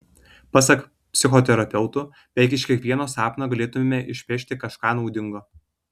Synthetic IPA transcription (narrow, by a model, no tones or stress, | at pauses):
pɐs̬ɐk | pʲsʲɪxɔt̪ʲɛɾɐpʲɛʊt̪ʊ | bʲɛɪkɪʃkʲiɛkʋʲiɛnoːsɑːpnoːɡɐlʲeːt̪ʊmʲemʲɛʔɪʃʲpʲeːʃʲt̪ʲɪkɐʃkɑːnɒʊd̪ʲɪŋɡoː